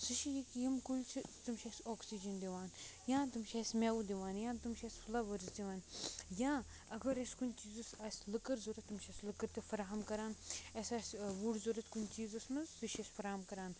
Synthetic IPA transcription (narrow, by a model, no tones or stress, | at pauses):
sɨʃijikjimkulʲt͡ʃʰit̪umʃɐsʲoːksid͡ʒɐnd̪iʋaːnjãːt̪umʃaːsʲmewd̪iʋaːnjãːt̪umʃɐsʲfʰlɐʋɐɾzd̪iʋaːnjãː | ɐɡɐɾeskunʲt͡ʃiːzɐsaːslɨkəɾzuɾɐt̪ːumʃɐsʲlɨkɐɾt̪ɐfɐɾaːɦɐmkɐɾaːnɐsaːsʋuɽzuɾɐt̪kunʲt͡ʃiːzɐsmɐzsɨʃɐsʲfɐɾaːmkɐɾaːn